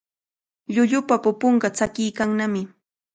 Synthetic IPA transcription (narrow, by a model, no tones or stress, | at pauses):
ʎʊʎʊpapʊpoɴɢɑt͡sakɪjkaŋnamɪ